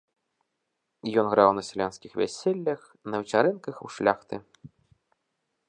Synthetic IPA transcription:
jɔnɣɾawnɐsʲɛlʲanskʲixvʲæ̰sʲelʲːɐx | nɐvʲit͡ʃaɾɛnkɐxuwʂlʲaxt̪ɨ̰

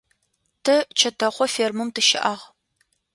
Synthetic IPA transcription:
tʰɨt͡ʃʰɐtʰɐχʷɔfeːrmɨmtʰɨʃɪʔɐʁ

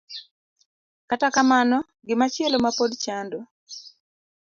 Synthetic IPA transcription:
katakamanɔ | ɡɪmat͡ʃɪelomapodt͡ʃando

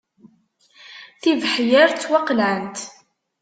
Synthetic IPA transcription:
θivħjæɾt͡sːwɑqlænt̪

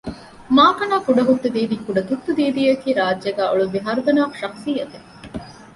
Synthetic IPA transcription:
maːkɐnaːfuɖɐɦut̪ːud̪iːd̪ikːuɖɐt̪ut̪ːud̪iːd̪ijɐkiːɾaːd͡ʒʒɐɡæːʔoɭuʋiɦɐɾud̪ɐnaːʃɐksijːɐt̪e

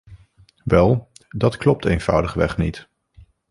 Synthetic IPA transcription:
ʋɛlˠ | dɑtklɔp̚tejnv̥ʌwdəχʋɛ̰χnit

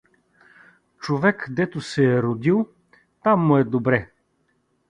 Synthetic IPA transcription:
t͡ʃovɛkd̪ɛt̪ʊsɛːɾod̪ilˠ | t̪amːʊɛd̪obɾɛ

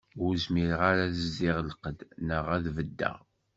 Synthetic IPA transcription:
ʊzmiɾəʁaɾaðəzːɪʁəlqəd̪nəʁæðvəd̪ːæ̰ʁ

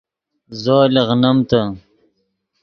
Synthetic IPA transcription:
zoːleɣnɐmt̪a

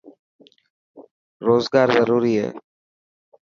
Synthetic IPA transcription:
ɾoːzɡaːɾzəɾuːɾiːɦɛ̰ː

